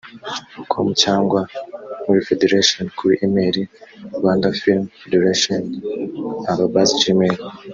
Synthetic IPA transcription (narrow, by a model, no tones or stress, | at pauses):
ukʰo̰mucaːŋɡwamuɾifedeɾaʃonkuɾiʔimeɾiɾɡwaːndafilmfedeɾaʃon | aβabazid͡ʒimeɾi